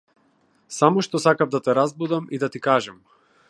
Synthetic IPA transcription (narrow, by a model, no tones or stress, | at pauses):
samɔʃt̪ɔsakavd̪at̪ɛɾazbud̪amid̪at̪ikaʒɛm